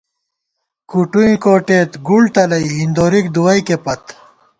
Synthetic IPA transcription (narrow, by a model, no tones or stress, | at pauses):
kuʈuĩkoːʈeːt̪ɡult̪ɐlɐjɦind̪oːɾik̚d̪uwɐjkepɐt̪